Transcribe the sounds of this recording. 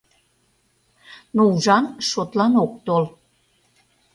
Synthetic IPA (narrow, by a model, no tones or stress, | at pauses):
nouʒɑnʃot̪lɑnok̚t̪ol